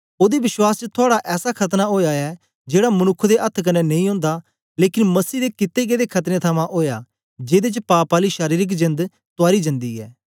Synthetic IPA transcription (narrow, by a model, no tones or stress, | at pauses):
oːd̪ebɪʃwaːst͡ʃət̪ʰʊaːɽaʔɛːsakʰɐt̪naoːjaːɛː | d͡ʒeːɽamənʊkʰːd̪eʔɐt̪ʰːkɐnːɛnɐ̃ĩːɦõːnd̪aː | leːkɪnmɐsiːd̪eːkɪt̪ːeːɡeːd̪eːkʰɐt̪ɾẽt̪ʰəmãʔoːjaː | d͡ʒeːd̪et͡ʃpaːpaːliːʃaːɾiːɾɪk̬d͡ʒɪ̃nd̪ | t̪ʊaːɾid͡ʒɪ̃nd̪iːɛ̰ː